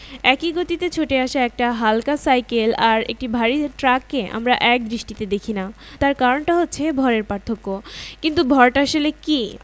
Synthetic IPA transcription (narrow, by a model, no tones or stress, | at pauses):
ɛkiɡot̪it̪et͡ɕʰoʈeaʃaɛk̚ʈaɦalkasajkelaɾḛk̚ʈibʱaɾiʈɾakːeʔa̰mɾaʔɛk̚d̪ɾiʃʈit̪ed̪ekʰina | t̪aɾkaɾonʈaɦotːɕʰebʱɔɾeɾpaɾt̪ʰokːokint̪ubʱɔɾʈaʃeleki